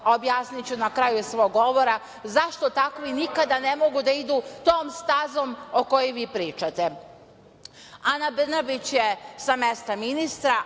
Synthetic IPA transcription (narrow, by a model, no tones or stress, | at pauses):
objaːsnit͡ɕunakɾajusʋo̞ːɡːo̞ʋo̞ɾa | zaʃt̪o̞t̪akʋiinikad̪anemo̞ɡud̪aid̪ut̪o̞ːmst̪azo̞moko̞jiʋiːpɾiːt͡ʃat̪e | anabr̩nabit͡ɕjesamest̪aminist̪ɾa